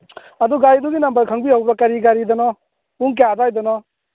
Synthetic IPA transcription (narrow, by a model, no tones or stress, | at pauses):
ɐd̪uɡaɾid̪uɡinambɐɾkʰaŋbiɦawbɾɔkaɾiɡaɾid̪ɔnɔ | uŋk̬ad̪ajd̪ɔnɔ